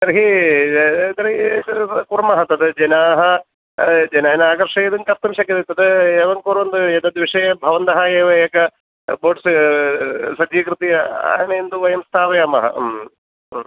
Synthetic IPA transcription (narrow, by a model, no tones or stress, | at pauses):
t̪ɐɾɐɦi | t̪ɐɾɐɦikuɾɐmɐɦɐt̪ɐd̪ɨd͡ʒɐnaːɦɐ | d͡ʒɐnaːjɐnaːɡɐɾʂɐjɐd̪ɐnkɐɾt̪ɐmʃɐkːɐd̪it̪ːɐd̪ɨeːʋɐŋkuɾɐʋɐnd̪ɨet̪ɐd̪ʋiʂɐjɐbʱɐʋɐnd̪ɐɦɐeːʋɐekɐ | boːʈs | sɐd͡ʒ̪iːkɾɨt̪iɐa̰ːnɐend̪uʋɐjɐmst̪ʰaːʋɐjaːmɐ̰ɦɐ̰m